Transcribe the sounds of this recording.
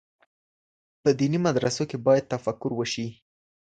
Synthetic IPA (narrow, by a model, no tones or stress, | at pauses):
pəd̪inimad̪ɾasokebɑjad̪̚t̪afakːʊɾwəʃi